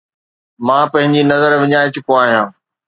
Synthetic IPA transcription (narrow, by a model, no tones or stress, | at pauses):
mãːpɐ̃ɦɪ̃ɲd͡ʑinɐzəɾʋɪɲaːet͡ɕʊkoaːɦijãː